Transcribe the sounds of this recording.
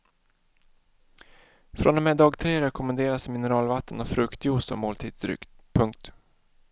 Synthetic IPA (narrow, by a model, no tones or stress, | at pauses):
fɾʔɔnɔmɛd̪ɑːɡt̪ʰɾeːɾɛkʰʊmɛnd̪eːɾasmɪnəɾɑːlvat̪ːənɔfɾɵkt̪ʰjuːsɔ̰mːoːlt̪ʰiːd̪sd̪ɾʏ̰k̪pʰɵŋk̚t̪